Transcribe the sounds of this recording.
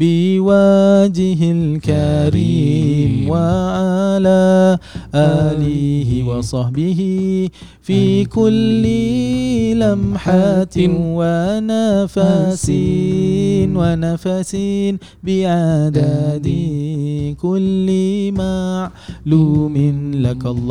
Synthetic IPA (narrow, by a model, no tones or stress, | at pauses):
bɪwad͡ʒɪɦɪlkaɾiːmwaʕalaːʔaːlɪhɪwɑsˤɑħbɪɦɪ | fiːkʊlːɪ | lamħat̪ɪnwanafasi | nwanafasin | bɪʕad̪ad̪ɪhkʊlːɪmaʕluːmɪnlakalˤː